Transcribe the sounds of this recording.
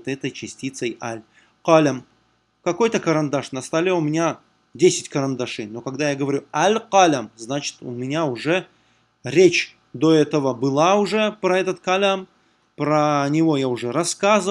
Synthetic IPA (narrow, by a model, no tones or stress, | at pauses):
t̪ɛt̪əjt͡ɕɪsʲtʲit̪səjalʲ | qalʲəm | kɐko̞jt̪əkəɾɐnd̪aʂnəst̪alʲeʊmʲɪnʲa | dʲesʲɪtʲkəɾɐnd̪aʂɨjno̞kɐɡd̪ajaɡəvɐɾʲualʲqalʲəmznat͡ɕɪ̥t̪ʊ̰mʲɪnʲaʊʐɛ | ɾʲet͡ɕ | d̪oɛt̪əvəbɨlˠaʊʐɛpɾɐɛt̪ət̪kɐlʲam | pɾənʲɪvo̞jaʊʐɛɾɐskazə